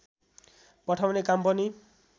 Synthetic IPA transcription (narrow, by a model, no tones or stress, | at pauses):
pʌʈʰawnekampʌni